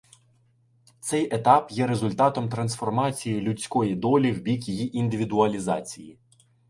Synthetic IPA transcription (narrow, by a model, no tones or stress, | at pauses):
t̪sɛjʔet̪ɑpjɛɾe̞zʊlʲt̪ɑt̪ɔmt̪ɾɐnsfɔrmɑt͡sʲijilʲʊt͡sʲkɔjid̪ɔlʲiwbʲikjijiʔind̪ɪʋʲid̪ʊɐlʲizɑt͡sʲiji